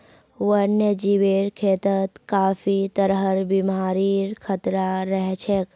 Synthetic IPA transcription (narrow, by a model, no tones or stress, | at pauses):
ʋənjəd͡ʒiʋeːɾkʰeːt̪ət̪kaːfit̪əɾɦəɾbimaːɾiɾkʰət̪ɾaɾəɦt͡ʃʰek